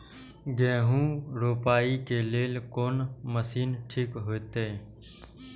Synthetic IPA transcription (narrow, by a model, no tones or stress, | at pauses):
ɡẽːɦũːɾoːpaːikeːleːlkoːnməsiːnʈʰɪkɦoːt̪eː